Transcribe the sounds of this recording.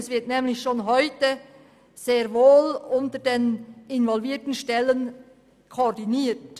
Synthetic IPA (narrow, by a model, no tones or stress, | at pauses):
svɪtnɛːmlɪçʃoːnɦɔʏtə | z̥eːɾvoːlʊntədeːnɪnvɔlviːtn̩ʃtɛlən | kʰoːdiniːt